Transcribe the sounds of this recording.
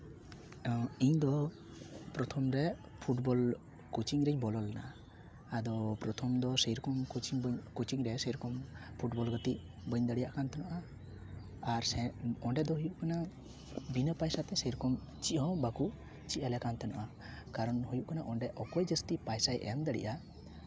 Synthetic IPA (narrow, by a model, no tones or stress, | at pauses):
iɲd̪ɔ | pɾɔt̪ʰɔmɾɛ | pʰuʈbɔl | kut͡ʃiɲɾɛɲbɔlɔlɛna̰ʔa | ad̪ɔpɾɔt̪ʰɔmd̪ɔsɛjɾɔkɔmkt͡ʃiɲbkut͡ʃiɲɾɛsɛjɾɔkɔmpʰuʈbɔlɡət̪iʔ | bəɲd̪əɽijaʔkant̪ɛnɔʔa | aɾsɛɔɳɖɛd̪ɔɦujuʔkana | binəpajsat̪ɛsɛjɾɔkɔm | t͡ʃiʔhɔ̃bakuʔ | t͡ʃiʔalɛkant̪ɛnɔ̰ʔa | kaɾɔnɦhujuʔkanaʔɔɳɖɛʔɔkɔjd͡ʒəst̪ipajsajʔɛ̰ŋd̪əɽḭʔa